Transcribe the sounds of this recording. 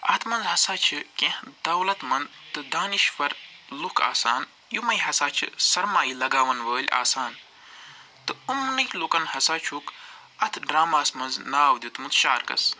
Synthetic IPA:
ɐ̰t̪ʰmɐnzɦɐsaːt͡ʃʰɨkẽhd̪ɐwlɐt̪mɐnd̪t̪ɨd̪aːniʃʋɐɾlukʰa̰ːsaːn | jumɐjɦɐsaːt͡ʃʰɨ̰sɐɾmaːjilɐɡaːʋɐnʋəːlʲa̰ːsaːn | t̪ɨumnɨjlukɐnhɐsaːt͡ʃʰuk | ɐt̪ʰɖɾaːmaːsmɐnznaːwd̪ʲut̪mɨt̪ʃaːɾkɐ̰s

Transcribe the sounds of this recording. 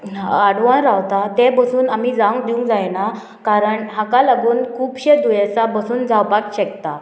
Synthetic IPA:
aɽʋanɾawt̪at̪ɛ̃bəsuːnamid͡zaŋɡd̪iũŋkd͡zajna | kaɾəɳɦakalaɡuːnkʰuːpɕed̪ujet͡sabəsuːnd͡zawpakɕɛkt̪a

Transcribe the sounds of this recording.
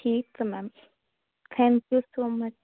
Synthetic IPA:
ʈʰiːksmɛ̃m | t̪ʰɛ̃ŋkjusoːmɐt͡ʃ

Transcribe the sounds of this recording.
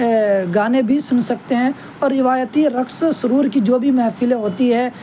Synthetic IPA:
ɡaːnẽbʱisʊnsɐkt̪eɦɛ̃ | ɔːɾːɪʋaːjət̪iɾɐksosʊɾuːɾkid͡ʒoːbʱimɛɦfileɦoːt̪iɦɛː

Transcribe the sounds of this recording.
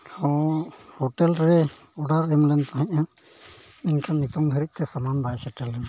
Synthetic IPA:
ɔ̃hɔʈɛlɾɛɔɖaɾɛmlɛnt̪aɦɛ̃ɲa | inkʰanit̪ɔŋd̪ʱəɾit̪̚ˀt̪ɛsamanbajsɛʈɛlːɛn

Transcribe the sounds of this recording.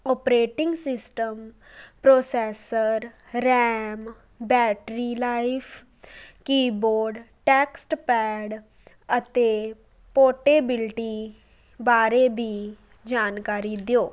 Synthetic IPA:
ɔːpɾeːʈɪ̃ŋɡsɪsʈəm | pɾoːsɛːsəɾː | ɛːm | bɛːʈɾilaːɪpʰ | kiːboːɾɖʈɛːksʈpɛːɖ | ət̪eː | poːʈeːbɪlʈi | baːɾebʱi | d͡ʒaːnkaːɾiːd̪joː

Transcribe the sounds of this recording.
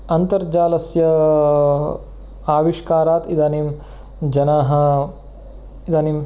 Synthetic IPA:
ɐnt̪ɐɾd͡ʒaːlɐsjɐ | aːʋiʂkaːɾaːt̪id̪aːnim | d͡ʒɐnaːɦɐ | id̪aːnim

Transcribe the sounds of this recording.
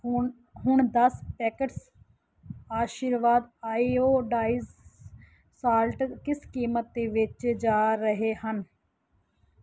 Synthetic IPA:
ɦʊɳd̪əspɛːkəʈs | aːʃiːɾʋaːd̪aːioːɖaːiz | saːlʈkɪskiːmət̪̚d̪eːʋɪt͡ʃd͡ʒaːɾəɦeːhən

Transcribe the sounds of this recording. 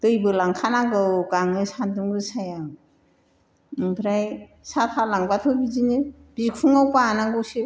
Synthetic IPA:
d̥ɯjbɯlaŋkʰanaɡɯwɡaŋɯsandɯmɡɯsaja | ŋbʰɾaj | sapʰalaŋbatʰɯbizinib̥ikʰuŋawpaːnaŋɡɯwsi

